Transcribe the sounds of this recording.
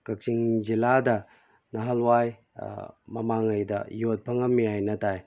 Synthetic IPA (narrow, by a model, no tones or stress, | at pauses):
kɐk̚siŋd͡ʒiladɐ | nɐɦɐlwaj | mɐmaŋɐjdɐ̰jot̚pʰɐŋɐmːiajnɐtaj